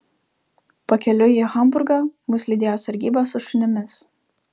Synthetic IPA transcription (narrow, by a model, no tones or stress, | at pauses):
pɐkʲɛlʲʊixɐmˑbʊɾɡɑmʊslʲiːd̪ʲeːjoːsɐɾʲɡʲiːbɐsʊʃʲɪnʲɪmʲɪs